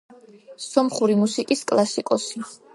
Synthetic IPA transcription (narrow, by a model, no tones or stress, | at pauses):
sɔmχuɾimusikʼiskʼlˠasikʼɔsi